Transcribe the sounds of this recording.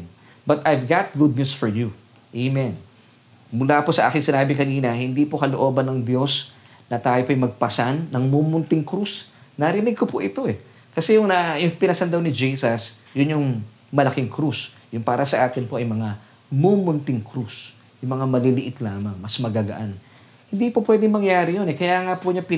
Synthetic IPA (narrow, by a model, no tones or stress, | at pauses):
bɐt̪ʔɐjvɡat̪̚ɡud̪̚nusfɔɹju | ʔejmɛn | mʊlaːposɐʔaːkɪŋsɪnaːbɪŋkɐniːnɐhɪnd̪ipokɐloʔo̞ːbɐnːɐŋd̪jo̞s | nɐt̪aːjopɐjmɐɡ̚pɐsanːɐŋmuːmʊnt̪ɪŋkɾusnɐɾɪnɪɡ̚kopoʔɪt̪o̞ʔɛ | kɐsɛjʊŋnɐjʊŋpɪnɐsɐnd̪ɐwnɪd͡ʒiːsɐsjʊnjʊŋ | mɐlɐkɪŋkɾus | jʊŋpaːɾɐsɐʔaːt̪ɪnpo̞ʔɐjmɐŋa | momʊnt̪ɪŋkɾus | jʊŋmɐŋamɐlilɪʔɪt̪laːmɐŋmɐsmɐɡaɡɐ̰ʔan | hɪnd̪iːpopwɛd̪ɪŋmɐŋjaːɾɪjonɛkɐjaːŋapʊɲapɪ